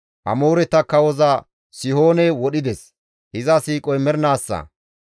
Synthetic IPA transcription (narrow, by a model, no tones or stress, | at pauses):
ʔɐ̰moːɾɛt̪ːɐkːɐwɔzɐ | sɪhoːnɛwɔɗɪd̪ɛs | hɪzɐsiːkʼɔjmɛɾnaːsːɐ̰